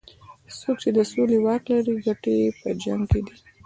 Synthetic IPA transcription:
sok̚t͡ʃed̪əsolewaɾklaɾiɡaʈepəd͡ʒaŋɡked̪i

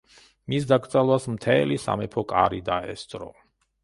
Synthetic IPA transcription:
misd̪aɡɾd̪zʼalˠwasmt̪ʰɛlisa̰mɛpʰɔkʼaɾid̪aɛ̰st̪sʼɾɔ̰

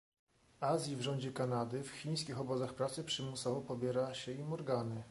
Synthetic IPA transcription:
azʲjivʐɔɲd͡ʑɛkanad̪ɘfxʲij̃skʲixɔbɔzaxpɾat̪sɘpʂɘmusavɔpɔbʲjɛɾaɕɛimɔɾɡanɘ

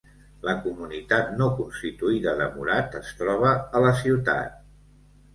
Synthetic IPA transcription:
ləkumunit̪at̪nokunst̪it̪uiðəðəmṵɾat̪əst̪ɾɔβ̞əːləsiwt̪a̰t̪̚

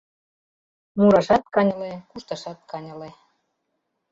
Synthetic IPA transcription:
muɾɑʃɑt̪̚kɑnʲɤ̆lekuʃt̪ɑʃɑt̪̚kɑnʲɤ̆le

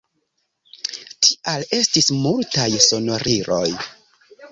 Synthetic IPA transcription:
tʰiʔale̞stismultajso̞no̞ɾʔiɾo̞̰j

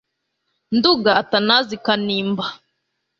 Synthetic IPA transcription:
nduɡaːtanazikaniːmba

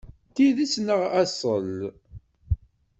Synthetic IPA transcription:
t̪iðisnəʁæsˤəl

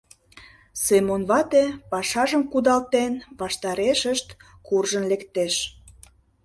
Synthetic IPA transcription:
semonβɑt̪epɑʃɑʒəmkud̪ɑlt̪enβɑʃt̪ɑɾeʃəʃt̪ | kurʒənlekt̪eʃ

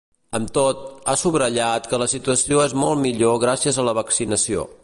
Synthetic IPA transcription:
əmt̪ot̪̚asuβɾəʎat̪kələsit̪uəsioezmɔlˠmiʎoɣɾasiəzələβ̞əksinəsio̰

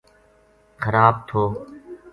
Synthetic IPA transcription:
xəɾaːb̚t̪ʰoː

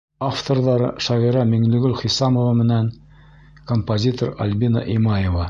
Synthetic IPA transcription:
aft̪oɾðɑɾɤ̰ʃɑʁiɾɑmĭŋlɵ̆ɡɵlχisɑmovɑmɘ̆næn | kompozʲit̪oɾa̰lʲbinɑ̰ʔimɑjevɑ

